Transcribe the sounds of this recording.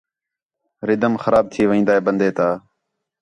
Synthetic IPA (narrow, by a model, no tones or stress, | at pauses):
ɾɪd̪əmxəɾaːb̚t̪ʰiːʋĩːnd̪aːeːbənd̪eːt̪aː